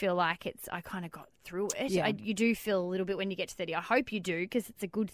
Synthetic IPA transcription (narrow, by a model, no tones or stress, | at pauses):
ilaɪkɨtsa̰ɪkʰãɪ̃ndɨɡɑt̪̚θɹʉɪtaɪjɨdɨfilˠəlɪɾl̩ˠbɪt̚wɨ̃njɨɡɛtʰsɛɾiaɪhoʊpʰjɨdɨkʰʌzɨtsɨɡʊd̪̚